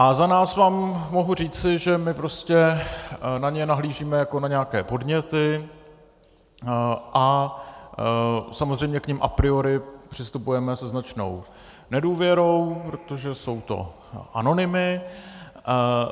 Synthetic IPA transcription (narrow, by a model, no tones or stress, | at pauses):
ʔazanaːsvaːmːo̞ɦur̝iːt͡sɪʒɛmɪpɾo̞scɛ | naɲɛnaɦliːʒiːmɛjako̞naɲɛakɛːpo̞dɲɛt̪ɪ | ʔa | samozrɛjmɲɛkɲɪmʔapɾɪo̞ɾɪpr̝̥ɪst̪upujɛmɛsɛznat͡ʃno̞̰w | nɛduːvjɛɾo̞wpɾo̞t̪o̞ʒɛso̞wt̪o̞̰ | ʔano̞nɪmɪ